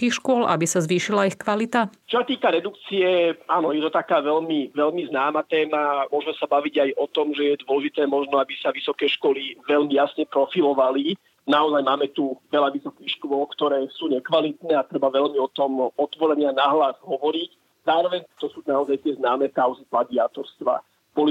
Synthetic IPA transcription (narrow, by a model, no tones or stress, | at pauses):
kiːxʃkʊɔlʔa̰bisazʋiːʃilaixkʋalit̪at͡ʃɔsat̪iːkaɾɛd̪ukt͡siɛaːnɔjɛt̪ɔt̪akaːʋɛʎmiʋɛʎmiznaːmat̪ɛːmamʊɔʒmɛsabaʋiɟajɔt̪ɔmʒɛjɛd̪ʊɔlɛʒit̪ɛːmɔʒnɔabisaʋisɔkɛːʃkɔliʋɛʎmijasɲɛpɾɔfilɔʋali | naɔzajmaːmɛt̪uʋɛlaʋisɔkiːxʃkʊʋɔlkt̪ɔɾɛːsuːɲɛkʋalit̪nɛːat̪ɾɛbaʋɛʎmiɔt̪ɔmɔt̪ʋɔɾɛɲɪanaɦlazɦɔʋɔɾic | z̥aːɾɔʋɛɲt̪ɔsuːnaɔzajt̪ɪɛznaːmɛːkaʊziplad̪iaːt̪ɔɾst̪ʋa̰ | b̥ɔli